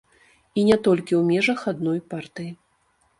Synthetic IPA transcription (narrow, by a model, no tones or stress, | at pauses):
inʲɛt̪ɔlʲkʲiwmʲɛʐɐxad̪nɔjpart̪ɨji